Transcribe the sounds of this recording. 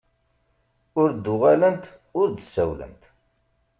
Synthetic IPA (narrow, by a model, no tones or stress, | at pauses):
ʊɾd̪ːʊʁalənt̪ | ʊɾd̪sæwlə̰nt̪